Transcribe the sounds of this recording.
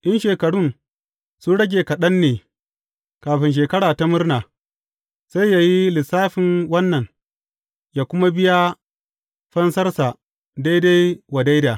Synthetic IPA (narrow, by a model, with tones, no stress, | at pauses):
ʔɪ˦nʃeː˨kɐ˨ɽʊ˦n | sʊ˦ɽɐ˦ɡʲeː˨kɐ˨ɗɐ˦nːeː˨ | kaː˨ɸɪ˨nʃ̬eː˨kɐ˦ɽaː˨ta˦mɪ˦rnaː˨ | sa˦jja˨ji˦lɪ˨saː˦ɸɪ˨nwɐ˦nːɐ˨ŋ | jaː˨kʷʊ˦ma˦bɪ˦ja˦ | ɸɐ˦nsɐ˦rsa˨ | da˦jda˦jwa˨da˦jda˨